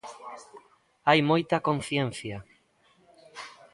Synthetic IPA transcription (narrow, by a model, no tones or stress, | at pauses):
ajmojt̪ɐkõn̟θjɛn̟θja